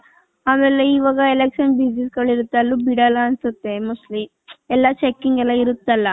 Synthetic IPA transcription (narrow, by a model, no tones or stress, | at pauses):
aːmeːleiʋaːɡɐelekʃɐnbid͡ʒnisɡɐɭiɾut̪ːɐlːuːbiɽɐlɐːnsut̪ːe̞musli | ɛlːɐt͡ʃekːiŋɡɛlːɐiɾut̪ːɐlːɐ